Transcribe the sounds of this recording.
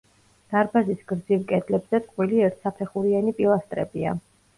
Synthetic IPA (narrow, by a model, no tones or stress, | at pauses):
d̪̥aɾbazisɡɾd̪zivkʼɛd̪lɛbzɛt̪ʼqʼwiliɛɾt̪ʰsapʰɛχuɾianipʼilˠast̪ʼɾɛ̰bia̰